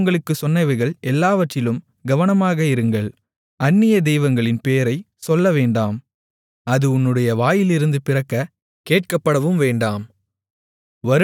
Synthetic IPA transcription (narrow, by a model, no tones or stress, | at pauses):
ŋɡɐɭɯkːɯsɔnːɐɪʋɐɪɣɐɭʔɛlːaːʋɐʈrɪlɯm | ɡɐʋɐnɐmaːɣɐɪɾɯŋɡɐɭ | ɐnːɪjɐd̪ɛjʋɐŋɡɐɭɪnpeːɐɾɐɪ | sɔlːɐʋeːɳɖaːm | ɐðɯʊnːɯɽɐjɐʋaːjɪlɪɾɯnd̪ɯpɪrɐkːɐ | keːʈ̚kɐpːɐɽɐʋɯmʋeːɳɖaːm | ʋɐɾ